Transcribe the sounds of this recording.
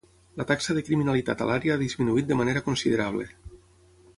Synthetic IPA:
lat̪aksəðekɾiminalit̪a̰t̪a̰laɾjaaðizminuit̪̚d̪emaneɾakonsiðeɾaβ̞lḛ

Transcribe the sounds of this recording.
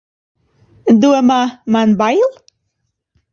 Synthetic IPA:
d̪uəmamanbajlˠ

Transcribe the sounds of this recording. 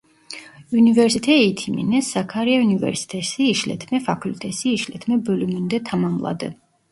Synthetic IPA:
univɛɾsit̪ʰɛit̪ʰimḭnɛsakʰaɾiaunivɛ̰ɾsi̥t̪ʰɛsiːʃlɛ̰t̪ʰmɛfakʰult̪ʼʰɛsiːʃlɛ̰t̪ʰmɛbɔlumund̪ɛt̪ʰamamlˠa̰d̪ɛ̰

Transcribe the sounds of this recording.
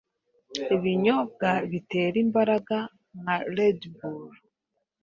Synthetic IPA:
iβiɲo̞b̚ɡaβite̞ːɾimbaɾaɡa | naledbuɾ

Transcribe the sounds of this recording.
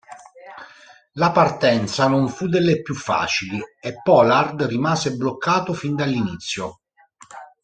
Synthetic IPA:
lapart̪ɛnt̪sanoɱfud̪ːelːepːjufːa̰ːt͡ʃiliepːɔlard̪rimaːzeblokːaːt̪ofind̪alːinit̪sːjo

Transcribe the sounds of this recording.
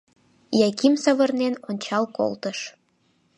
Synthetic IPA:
jɑkimsɑβɤ̆rnenonʲt͡ɕɑlko̰lt̪əʃ

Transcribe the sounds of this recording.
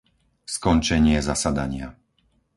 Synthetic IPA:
skɔnt͡ʃɛɲɪɛzasad̪aɲɪa

